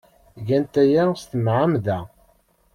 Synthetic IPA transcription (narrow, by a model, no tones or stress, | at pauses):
ʝænt̪æjæst̪əmʕamðæ